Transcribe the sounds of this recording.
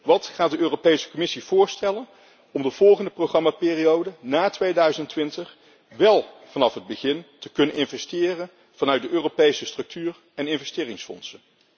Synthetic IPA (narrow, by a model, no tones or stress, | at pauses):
ʋɑtχaːt̚dəʔøːropejsə̥kɔmɪsiv̥ʊːɹstɛlən | ɔmdəv̥ɔlˠχəndəprowχrɑmaːpɪːrijowdənaːtʋejdœɥzəntʋɪntəχ | ʋɛlˠ | v̥ɑnɑfɦəd̚bəχɪntəkɵnənɪnvɛstɪːrən | v̥ɑnœɥt̚dəʔøːropejsəstrɵk̚tyːɹ | ɛnɪnvɛstɪːrɪŋsfɔ̰nsən